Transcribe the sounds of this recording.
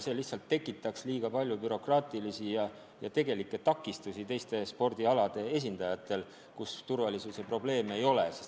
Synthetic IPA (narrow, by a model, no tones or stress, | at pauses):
se̞ːlihtsɑlt̪ːe̞kːˑit̪ːˑɑksliːɡ̥ɑpɑlʲjubyɾo̞krɑːt̪ilisijɑ | jɑt̪e̞ɡ̥e̞likːˑet̪ɑkːˑist̪usit̪e̞jst̪e̞spo̞rd̪̥iɑlɑd̪̥e̞e̞s̬ʲind̪̥ɑjɑt̪ːˑe̞l | kust̪urvɑlisuse̞pro̞ble̞ːme̞jo̞leses